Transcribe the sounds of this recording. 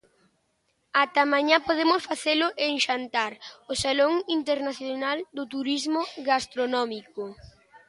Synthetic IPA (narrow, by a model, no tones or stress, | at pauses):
at̪amãɲapoð̞emʊsfaθelʊʔeŋʃant̪aɾʊsaloŋint̪eɾnaθjonald̪ʊt̪uɾizmoɣast̪ɾonɔmiko